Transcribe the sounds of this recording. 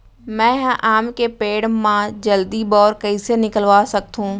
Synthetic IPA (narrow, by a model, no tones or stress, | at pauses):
mɛ̃ːɦʔaːmkepeːɽmãd͡ʑɐld̪ibɔːɾkɐisenɪkəlʋasɐɡ̚t̪ʰũː